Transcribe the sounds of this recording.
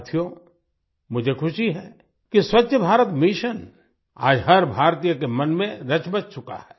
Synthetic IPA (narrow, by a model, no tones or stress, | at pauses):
t̪ʰijo | mʊd͡ʒʱekʰʊʃiɦɛː | kiswɐtːʃəbʱaːɾət̪miʃən | a̰ːd͡ʒɦɐɾbʱaːɾt̪ijəkemɐnmẽɾɐt͡ʃbɐt͡ʃt͡ʃʊka̰ɦɛː